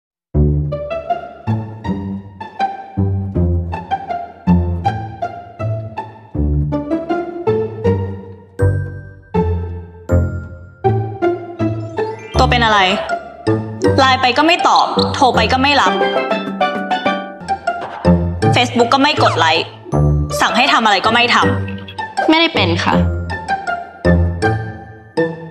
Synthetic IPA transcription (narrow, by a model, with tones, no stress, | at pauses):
k̪ɔː˧˩pe˧nʔa˧ɾa˧j | laː˧jpa˧jkɔː˥˩ma˥˩jt̪ɔː˨˩p̚t̪ʰoː˧pa˧jkɔː˥˩ma˥˩jla˦˥p̚ | feː˦˥sbu˦˥kːɔː˥˩ma˥˩jko˨˩t̪̚la˦˥j | sa˨˩ŋɦa˥˩jt̪ʰa˧mʔa˧ɾa˧jkɔː˥˩ma˥˩jt̪ʰa˧mma˥˩jda˥˩jpe˧nkʰa̰˥˩